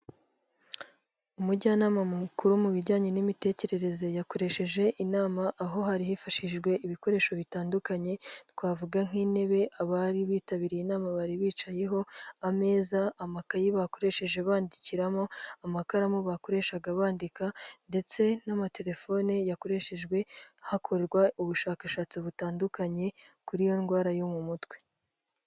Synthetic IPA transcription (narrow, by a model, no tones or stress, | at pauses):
umuɟaːnaːmamukuɾumuβiɾɟaːɲenimite̞ːce̞ɾe̞ɾe̞zejako̞ɾe̞ʃe̞ʒe̞ʔinaːmaʔːɦo̞ɦaɾihifaʃiʒɡwe̞ʔiβiko̞ɾe̞ːʃo̞βitaːndukaɲe̞t̚waːvuɡaŋ̥iːne̞βe̞ʔaβaɾiβiːtaβiɾiinaːmaβaɾiβiːt͡ʃaje̞ɦo̞ame̞ːzaːmakajiβako̞ɾe̞ʃe̞ʒe̞βaːndiciɾamo̞amakaɾamuβako̞ɾe̞ʃaɡaβaːndikande̞t͡se̞namate̞ɾe̞fo̞ːnejako̞ɾe̞ʃeʒɡwe̞hakʰo̞ɾeɾɡwauβuʃaːkaʃaːt͡siβutaːndukaɲe̞kuɾijo̞nɡwaːɾajomumutwe̞